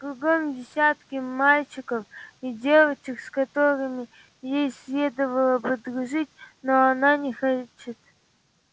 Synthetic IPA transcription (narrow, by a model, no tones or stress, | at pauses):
kɾʊɡomdʲɪsʲat̪kʲɪmalʲt͡ɕɪkəfidʲevət͡ɕɪkskɐt̪oɾɨmʲɪ | jejsʲlʲed̪əvəlˠəbɨd̪ɾʊʐɨtʲnoɐnanʲɪxɐt͡ʃɪt̪